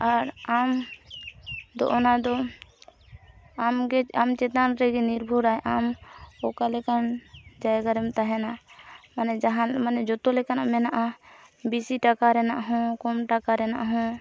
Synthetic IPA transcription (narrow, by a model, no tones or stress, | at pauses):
aɾam | d̪ɔ̰ʔɔnad̪ɔ | amɡɛamt͡ʃɛt̪anɾɛɡɛniɾbʱuɾaɛʔamɔkalɛkand͡ʒajɡaɾɛmt̪aɦɛnaʔmanɛd͡ʒaɦamanɛd͡ʒɔt̪ɔlɛkanaʔmɛnaʔabisiʈakaɾɛnaʔɦɔ̃kɔmʈakaɾɛna̰ʔɦɔ̃